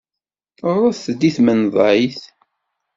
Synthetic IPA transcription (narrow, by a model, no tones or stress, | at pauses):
rˤːɑθθd̪iθmənðˤʕiθ